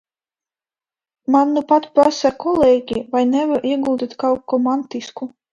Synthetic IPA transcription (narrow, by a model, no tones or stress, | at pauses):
manːupat̪pɾasakɔlˠeːɡʲivajnɛvaɾʔiɛɡulˠd̪ʲit̪kawkːɔmant̪isku